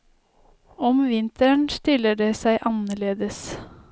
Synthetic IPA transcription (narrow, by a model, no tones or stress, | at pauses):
ɔmʋɪnt̪əɳst̪ɪləɖeːsæɪʔɑnəɭeːd̪əs